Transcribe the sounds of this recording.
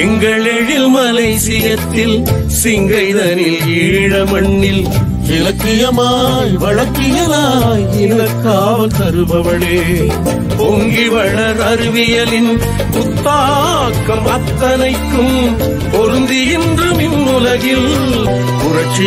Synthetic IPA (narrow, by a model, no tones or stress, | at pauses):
ɛŋɡɐɭɛɻɪlmɐlɐɪsɪjɐt̪ːɪl | sɪŋɡɐɪðɐnɪl | iːɻɐmɐɳːɪl | ʋɪlɐkːɪjɐmaː | jʋɐɻɐkːɪjɐlaːjɪlɐkːaːʋɐlt̪ɐɾɯʋɐʋɐɭeː | poŋɡɪʋɐɻɐɾɐɾɯʋɪjɐlɪn | pʊt̪ːaː | kːɐmɐt̪ːɐnɐɪkːɯm | pɔɾɯnd̪ɪjɪndrɯmɪnːʊlɐɣɪl | pʊrɐt͡ʃːi